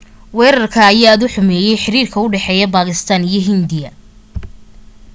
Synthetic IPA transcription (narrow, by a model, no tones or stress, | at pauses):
wɛːɾɐrkʰɐːjaːɐðʊħʊmɛːjɛjħɪɾiːrkʰɐʊɖɛħɛːjɐbaːɣɪst̪ʰanijɞɦɪnd̪ɪjɐ